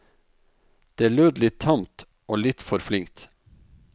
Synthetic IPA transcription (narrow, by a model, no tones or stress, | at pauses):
d̪̥eːæːɭøːd̪lɪt̪ʰːɑmt̪ | ʔoːlɪt̪fɔɾflɪŋkt̪